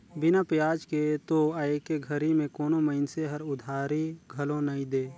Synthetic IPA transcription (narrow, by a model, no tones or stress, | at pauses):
bɪnapjaːd͡ʒket̪oaekeɡʱəɾimẽkoːnoməɪnseɦəɾʊd̪ʱaːɾiɡʱɐlõnɐĩd̪eː